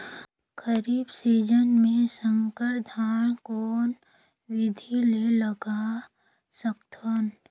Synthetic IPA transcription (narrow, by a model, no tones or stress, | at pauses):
ɡəɾiːbsiːd͡ʒənmẽsə̃ŋkəɾd̪ʱaːɽ̃koːn | wɪd̪ʱileləɡa | səkt̪ʰon